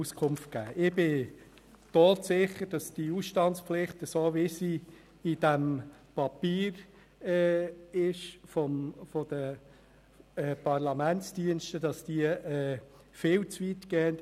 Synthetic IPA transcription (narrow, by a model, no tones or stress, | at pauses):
uskʰʊmft̚kæ̰ːʔɪbɪ | toːtsɪχəɾd̥ɑsd̥iusʃtɑntt͡spflɪχtəsoːʋɪsi | id̥æmpɑpiːɾ | ɛːɪʃfɔmfɔd̥ə | ɛːpɑʁlɑmænt͡sd̥iənʃtəd̥ɑsd̥iəɛ | fɪːlt͡sʋitɡ̥ɛːənt